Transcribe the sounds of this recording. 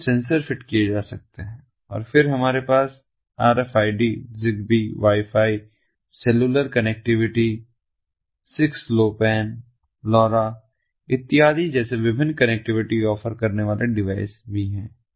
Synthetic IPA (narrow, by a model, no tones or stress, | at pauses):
sɛ̃ːnsəɾfɪʈkijed͡ʒaːsɐk̚t̪eɦɛ̃ː | ɔ̰ːɾfɪɾɦɐmaːɾepaːs | a̰ːɾɛfaːiɖizɪɡbiʋaːifʰaːi | sɛluːləɾkɐnɛk̚ʈɪʋɪʈi | sɪksloːpɛːn | lɔːɾa | ɪt̪ːɪɦaːd̪id͡ʒɛːseʋɪbʱɪ̃nːkɐnek̚ʈɪʋɪʈiɔːfəɾkɐɾneʋaːlʔeɖɪʋaːɪsbʱiɦɛ̃ː